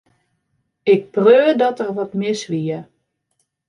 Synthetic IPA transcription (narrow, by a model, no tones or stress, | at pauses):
ɪk̚prøːdɔtərʋɔtmɪsʋiə